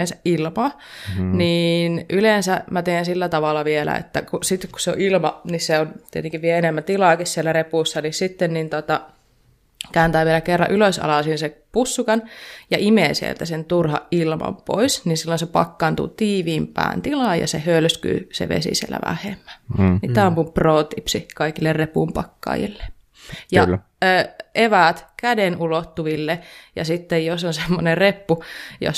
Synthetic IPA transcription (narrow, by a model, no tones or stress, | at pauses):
ensæʔʔilmɑ | niːnʔyleˑnsæmæt̪eːnsilːæt̪ɑʋɑlːɑʋielæ̰ḛt̪ːækusit̪ːekku̥sseo̰ʔilmɑnisseont̪iet̪eŋkiʋʋieenemːæt̪ilɑːˑkissielːærepuˑsːɑnissit̪ːennint̪ot̪ɑ | kæːnt̪æːʋielækerːɑʔyløsɑ̰lɑˑsinsepusːukɑnjɑʔimeːnsiḛlt̪æsent̪urhɑ̰ʔʔilmɑ̰mpoisninsilːonsepɑ̰kːɑːnt̪ṵːt̪iːʋiːmpæ̰ːnt̪ilɑːjɑ̰sḛhølsky̰ːsḛʋḛsḭsiḛlːæ̰ʋæ̰hḛmːæ̥nit̪ːæɑmpumproːt̪ipsikɑikilːerrepumpɑkːɑ̰ːjḭlːe̥ | jɑ̰ː | ʔeʋæˑt̪kædenulot̪ːuʋilːejɑ̰sit̪ːejjosonsemːonerepːujo̰